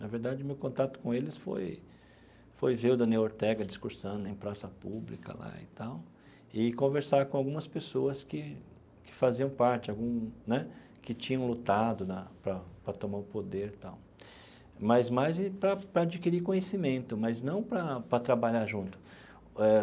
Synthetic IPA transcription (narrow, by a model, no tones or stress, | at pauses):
nɐveɾd̪ad͡ʒɪʊmewkõnt̪at̪ʊ̥kõelɪsfo̰j | fojvewd̪ɐnewoɾt̪ɛɡɐd͡ʒiskuɾsɐ̃nd̪ʊẽj̃pɾasɐpublḭkɐ̰la̰ɪ̰t̪aw | ɪkõveɾsaɾkõawɡũmɐspesoɐskɪ | kɪ̥faziɐ̃w̃paɾt͡ʃɪawɡũnɛ | kɪt͡ʃĩɲɐ̃w̃lut̪ad̪ʊnɐpɾɐpɾɐt̪omaɾʊpod̪eɾt̪aw | mɐzmajzɪpɾɐpɾɐad͡ʒikiɾikõɲesimẽnt̪ʊmɐznɐ̃w̃pɾɐpɾɐt̪ɾabaʎaɾʒũnt̪ʊ̥ | ɛ